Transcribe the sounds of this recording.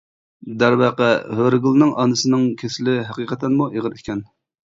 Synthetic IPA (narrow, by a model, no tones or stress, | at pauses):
d̪æɾwɑqɛhøɾɡʲulˠnɨŋʔɑ̰nɨsɨnɨŋkʲʰesɪlɪɦæqiqʰət̪ʰɛnmuʔeʁənikʲʰɛn